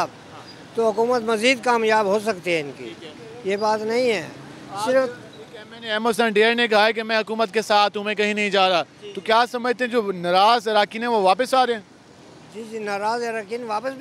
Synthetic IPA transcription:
b | t̪oɦʊkuːmət̪mɐziːd̪̚kaːmjaːbɦos̬ɐkt̪iɦɛ̃ɪnkḭː | jebaːt̪nɐɦĩɦɛ̰ː | sɪɾf | kɛmɛneɛːmos̬ə̃nɖeːəɾnek̬ɐɦaɛk̬emɛ̃ɦɐkuːmət̪kesaːt̪ʰɦʊmẽkɐɦĩnɐɦĩd͡ʒaːɾa | t̪okjaːsɐməd͡ʒt̪ẽɦd͡ʒoːnɐɾaːzɪɾaːkinɛ̃ʋoʋaːpəsaːɾeẽː | d͡ʒiːd͡ʒiːnaɾaːzɐɾaːkinʋaːpəsb

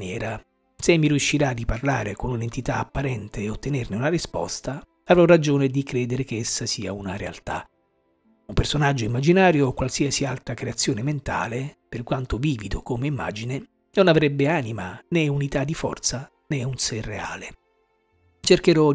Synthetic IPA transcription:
njɛːɾa | semːiɾjuʃːiɾad̪iparlaːɾekonunent̪it̪aːpːaɾɛnt̪eːot̪ːenerneunarispɔ̰st̪a | avɾɔrad͡ʒoːned̪ikɾeːd̪eɾekeesːasiːa̰unaɾea̰lt̪a̰ | umpersonad͡ʒːoimːad͡ʒinaːɾjoːkwalsiːasialt̪ɾakɾeat̪sːjoːnement̪a̰ːleperkwant̪oviːvid̪okomeimːa̰ːd͡ʒine | nonavɾɛbːeaːnimanɛunit̪ad̪ːifɔ̰rt̪sa | nɛunserːea̰ːle | t͡ʃerkeɾɔ

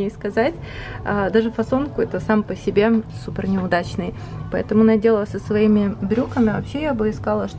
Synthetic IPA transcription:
ejskɐzatʲ | ad̪aʐɨfɐso̞nkʊɛt̪əsampəsʲɪbʲe̞supʲɪrnʲɪʊd̪at͡ɕnɨj | pɐɛ̰t̪əmʊnɐdʲe̞lˠəsəsvɐimʲɪbɾʲukəmʲɪɐvɐpɕːejabɨɪskalˠəʂt̪

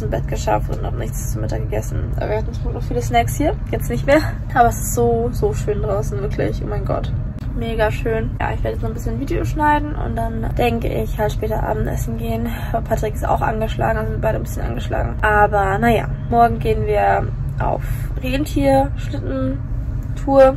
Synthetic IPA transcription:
smbɛtɡ̥əʃa̰ftʊ̰nthaːbm̩nɪ̰çt͡st͡sumɪtakɡ̥əɡɛsn̩ʔa̰viːɐhatn̩suːnɔfiːləsnɛkshiːɐjɛt͡snɪçtmeːɐ | ʔaːbɐɛsɪ̥stz̥oːzoːʃøːndʁaʊsn̩vɪɐkʰlɪ̰çʔo̰ːmaɪnɡɔ̰t | meːɡaʃøːnja̰ːʔɪçv̥eːɐɾəjɛt͡snɔχn̩bɪsçənnviːdeoʃnaɪdn̩ʔʊ̰nt̚d̥and̥ɛŋkə̰ʔɪ̰çhaltʃpɛːtɐʔa̰ːbm̩tʔɛ̰sn̩ɡeːən | pʰatʁ̥ɪkɪsta̰ʊxʔa̰nɡəʃla̰ːɡŋ̩azɪnbaɪɾənbɪsçənʔa̰nɡəʃla̰ːɡŋ̩ʔaːbɐnaja̰ː | mɔɐɡŋ̩ɡeːənviːɐʔa̰ʊfʁeːntʰiːɐʃlɪtn̩ | tʰuːɐ

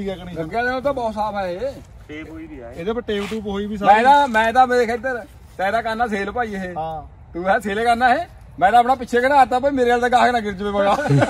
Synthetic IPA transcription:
iːkɛːkəniːəɡɛːd̪et̪̬ãːbɔːt̪saːpɛːɦe | eːd̪eːpəʈeːbʈuːpɦoːiːbiːs̬amɛ̃ːd̪aːmɛ̃ːed̪aːmdeːkʰəɪd̪əɾ | t̪ɛ̃ːd̪aːkəɾnaːseːlpaːiːeɦeː | t̪uːɦɛːseːleːkəɾnaːɦeː | mɛ̃ːd̪aːəpnaːpɪt͡ʃʰeːkənaːɾt̪aːp̬oːimeːɾeːalt̪aːɡaːknãːɡɪɾd͡ʒʋeːpəɡaː

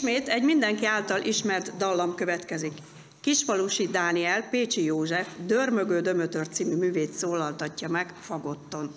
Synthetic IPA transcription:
meːt̪ɛɟmind̪ɛŋkiaːlt̪ɒlʔiʃmɛrt̪d̪ɒlːɒmkø̞vɛt̪kɛzikː | iʃpɒluʃid̪aːniɛlpeːt͡ʃijoːʒɛfd̪ørmø̞ɡøːd̪ø̞møt̪ørt̪siːmymyːveːt̪soːlɒlt̪ɒcːɒmɛɡfɒɡo̞t̪ːo̞n

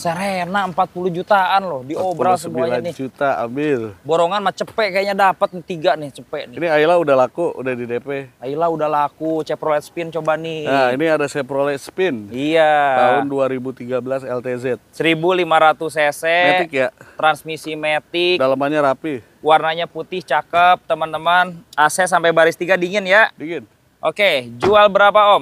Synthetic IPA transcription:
səɾenaəmpat̪̚puluhd͡ʒut̪aʔanlɔhdiobɾalssəmuialannɪd͡ʒut̪aa̰mbɪlboɾoŋanmat͡ʃəpɛʔkajaʔɲadapət̪̚nt̪iɡaʔnɪht͡ʃəpɛʔnɪniailaudahlakuṵdahdidepeailaudahlakut͡ʃɛpɾolɛt̪̚spɪnt͡ʃobanɪainiadasɛpɾolɛt̪spɪnijat̪aʊnduaɾibut̪iɡabəlasɛlt̪ezɛt̪̚səɾibulimaɾat̪us̬esɛmet̪ɪkjat̪ɾansmisimet̪ɪdalamaɲaɾapi | warnaɲaput̪ɪht͡ʃakəp̚t̪əmənt̪əmənasɛsampajbaɾɪst̪iɡadiŋɪnjadiŋɪn | ʔoked͡ʒualbəɾapaɔm

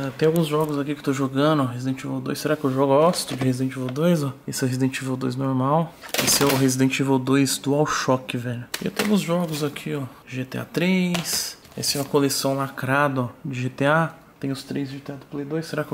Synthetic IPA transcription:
ɛt̪ẽj̃awɡũzʒɔɡʊzakikɪt̪oʒoɡɐ̃d̪ʊɔɦezid̪ẽt͡ʃivod̪ojseɾakɪewʒɔɡɔst̪ʊd͡ʒɪhezid̪ẽt͡ʃivod̪ojzɔesɪɛhezid̪ẽt͡ʃivɛwd̪o̰jznoɾmawḛsɪɛʊɦezid̪ẽt͡ʃivod̪ojzd̪ʊawʃɔkɪvɛʎʊḛwt̪ẽawɡũzʒɔɡʊzakʰiɔ | ʒet̪ea̰t̪ɾejs | ɛ̰sɪɛ̃ɐkolesɐ̃w̃lakɾad̪ɐɔd͡ʒɪʒet̪ea | t̪ẽj̃ʊst̪ɾejzʒet̪ead̪ʊplejd̪ojsːeɾakɪe

